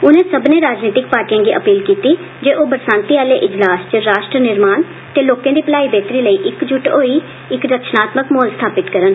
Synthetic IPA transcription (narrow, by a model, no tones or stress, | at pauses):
ʊnẽːsəbnẽːɾaːd͡ʒniːt̪ɪk̚paːɾʈijãːɡiːʔəpiːlkiːt̪iː | d͡ʒeːʔoːbəɾsãːnt̪iːaːleːʔɪd͡ʒlaːst͡ʃəɾaːʃʈɾənɪɾmaːn | t̪eːloːkãːd̪iːpəlaːiːbeːt̪ɾiːləiːʔɪkd͡ʒʊʈoːiː | ɪkɾəkʃnaːt̪məkmɔːlst̪ʰaːpɪt̪kəɾən